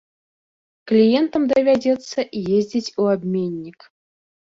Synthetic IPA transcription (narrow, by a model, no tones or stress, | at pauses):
klʲijɛnt̪əmd̪əvʲadʲɛt̪sːɐʔijezʲdʲɪtʲuabʲmʲenʲːik